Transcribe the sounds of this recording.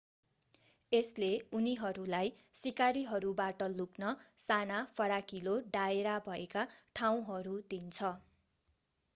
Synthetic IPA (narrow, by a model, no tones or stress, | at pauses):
esleuniɦʌɾulaj | sikaɾiɦʌɾubaʈʌluknʌsanapʰʌɽakiloɖaeɾabʱʌekaʈʰaw̃ɦʌɾud̪int͡sʰʌ